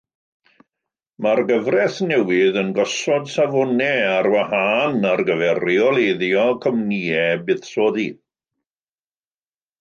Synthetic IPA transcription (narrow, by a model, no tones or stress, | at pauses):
marɡəvrɛθnɛwɪðənɡɔsɔdsavɔnɛarwahanarɡəvɛriɔlˠeðjɔkʰɔmniɛbɨðsoːði